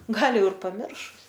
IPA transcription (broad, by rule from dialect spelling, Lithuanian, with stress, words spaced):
ˈɡɐlˠ ˈjɛʊ ɪr pɐˈmʲɪrʃʊs